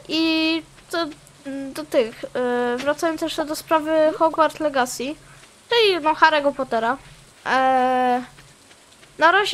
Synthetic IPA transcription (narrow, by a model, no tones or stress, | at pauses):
ʔi | t̪ɔ | d̪ɔt̪ɘxvɾat̪sajɔntsjɛʂt̪ɛd̪ɔspɾavɘxɔɡvaɾt̪lɛɡasʲi | t͡ʂɘlʲinɔxaɾɛɡɔpɔt̪ɛɾa | naɾaʑ